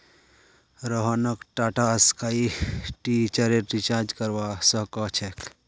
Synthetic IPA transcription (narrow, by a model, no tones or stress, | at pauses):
ɾoɦanəkʈaːʈaəskaiʈit͡ʃəɾeɾit͡ʃaːɾd͡ʒkəɾʋasəkat͡ʃʰek